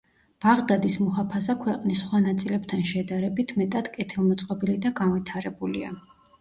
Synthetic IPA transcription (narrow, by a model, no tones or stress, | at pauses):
b̥aʁd̪ad̪ismɔɦapʰasakʰwɛqʼnisχwanat̪sʼilɛbt̪ʰanʃɛd̪aɾɛbit̪ʰmɛt̪ʼad̪̥kʼɛt̪ʰilˠmɔt̪sʼqʼɔbilid̪aɡanvit̪ʰaɾɛbulḭa̰